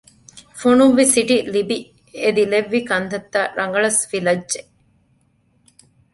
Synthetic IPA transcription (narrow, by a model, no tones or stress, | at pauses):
fonuʋːisiʈilibi | ed̪ileʋːikɐnt̪ɐt̪ːaɾʔɐŋɡɐɭɐsfilɐd͡ʒʒe